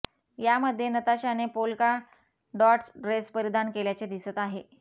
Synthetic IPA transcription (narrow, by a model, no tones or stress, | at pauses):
jaməd̪ʱːjenət̪aɕanepolka | ɖɔʈsɾespəɾid̪ʱankeljat͡sed̪isət̪aɦe